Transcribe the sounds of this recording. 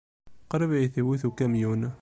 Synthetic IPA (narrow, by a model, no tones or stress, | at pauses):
qɑɾəβiθiwiθukæmjun